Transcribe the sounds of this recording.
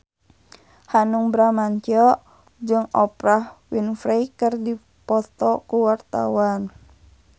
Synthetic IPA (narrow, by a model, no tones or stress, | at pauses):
hanuŋbɾamaɲt͡ʃɔ | d͡ʒɨŋɔpɾahwinfɾejkərdi | pɔt̪ɔkuwart̪a̰wan